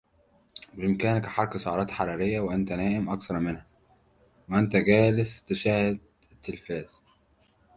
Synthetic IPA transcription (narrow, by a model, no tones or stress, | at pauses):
bɪʔɪmkæːnkæħɑɾˤksˤoʕɑɾˤɑːt̪ħɑɾˤɑːɾejːæweʔænt̪ænæːʔɪmʔɑkθɑɾˤmɪnhæ | weʔænt̪æɡæːlɪst̪ɪʃæːhed̪̚ | ɪt̪ːɪlfæːz̥